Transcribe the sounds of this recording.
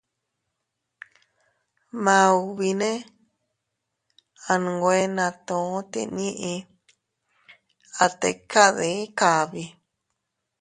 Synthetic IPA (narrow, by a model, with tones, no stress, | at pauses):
mã˧u˧βi˧nẽ˦ | a˧ñ˨˧ɡʷe˦nã˧t̪õ˨˦t̪ḭ˧ɲĩ˦ʔĩ˧ | a˧t̪ḛ˧˨ka˦ðe˨˦ka˨βi˧